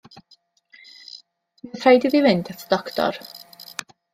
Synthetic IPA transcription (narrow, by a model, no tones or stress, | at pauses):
iəθrajdiðivɪndatʰə̥d̥ɔktʰɔ̰r